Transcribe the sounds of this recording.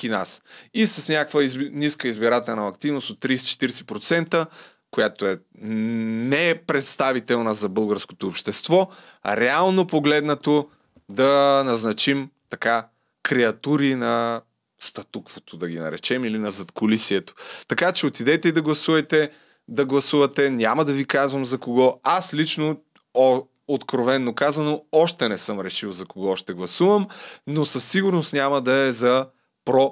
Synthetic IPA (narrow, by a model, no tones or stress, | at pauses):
kʲina̰sisɐsnʲakvəiniskəizbiɾat̪ɛlˠnɐɐkt̪ivnosot̪ːɾisɛ̥t͡ʃɛ̥t̪iɾsɛ̥pɾot̪sɛnt̪ə | kojat̪oɛ | nɛpɾɛt̪st̪avit̪ɛlˠnəzɐbɤlˠɡəɾsko̥t̪oːpʃt̪ɛst̪vɔ | a̰ɾɛalˠnopoɡlɛd̪nɐt̪o | d̪ɐnɐznɐt͡ʃimt̪ɐka | kɾɛɐt̪uɾinɐ | st̪ɐt̪ukvot̪od̪ɐɡ̟inɐ̰ɾɛ̰t͡ʃɛmilinɐzɐt̪kʊlisiɛt̪o̥t̪ɐkat͡ʃɛot̪id̪ɛt̪ɛid̪ɐɡlˠɐsuvɐt̪ɛ | d̪ɐɡlˠɐsuvɐt̪ɛnʲamɐd̪ɐvikazvɐmzɐkoɡɔaslit͡ʃno | ot̪kɾovɛnːokazɐnoɔʃt̪ɛnɛsɤmɾɛʃivˠzɐkoɡɔʃt̪ɛɡlˠɐsuvɐmnosɐsːiɡʊɾnost̪nʲamɐd̪ɐɛzɐ | pɾɔ